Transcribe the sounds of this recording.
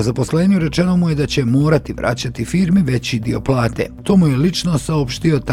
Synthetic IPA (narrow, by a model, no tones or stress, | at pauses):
zapo̞sleːɲiuɾe̞t͡ʃe̞no̞muje̞d̪at͡ɕe̞moːɾat̪iʋɾʔa̰ːt͡ɕat̪ifiːɾmiʋe̞t͡ɕid̪io̞plˠaːt̪e̞̰t̪o̞ːmuje̞lit͡ʃno̞saopʃt̪io̞t̪